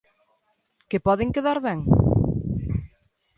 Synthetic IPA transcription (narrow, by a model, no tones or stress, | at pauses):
kepɔðeŋkeðaɾβɛŋ